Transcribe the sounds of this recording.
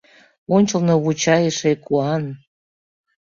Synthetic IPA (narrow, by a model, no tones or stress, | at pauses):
onʲt͡ɕə̆lnoβut͡ɕɑjeʃekuɑn